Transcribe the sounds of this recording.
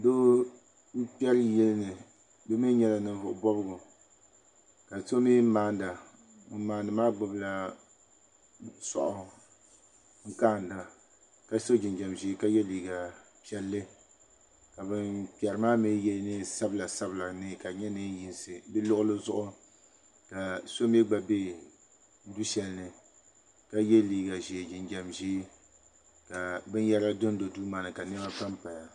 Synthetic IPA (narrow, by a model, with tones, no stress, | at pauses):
do˦ | m̩˦pi˦ɛ˦ɾjɛ˦lnɨ˨ | bɛ˦mi˦ɲɛ˦la˨nɨ˨˦vʊ˨ʔʊ˨bɔ˦bɨ˦ɡʊ˨ | ka˨so˦mi˦maː˨˦nda˨˦ | maː˨ndɨ˨maː˦ɡ͡bʊ˨bla˨ | sɔ̰˨ʔʊ˨ | ŋ̩˦kaː˦˨n˨da˨ | ka˦so˦d͡ʒɪ˨nd͡ʒɛ˨mʒi˦ka˦jɛ˦liː˨ɡa˨ | pi˦˨ɛ˨lːɨ˦ | ka˨bɨ˦npi˨ɛ˨ɾɨ˨maː˦mi˦jɛ˦nɨ˦sa˦bla˨sa˦bla˨nɨ˦ka˨ɲɛ˦nɨ˦n˦ji˨nsɨ˨bɨ˦lʊ˦ʔʊ˦lɨ˦zʊ˦ʔʊ˦ | ka˨so˦m˦ɛ˦ɡ͡ba˨be˦ | n̩˦du˦ʃɛ˨lnɨ˨ | ka˦jɛ˦liː˨ɡa˨ʒeː˨d͡ʒɪ˨nd͡ʒɛ˨mʒi˦ | ka˨bɨ˦n˦jɛ˦ɾa˦dʊ˦n˦do˨du˦ma˨nɨ˨ka˨nɨ˦ba˦pa˦mpa˨ja˨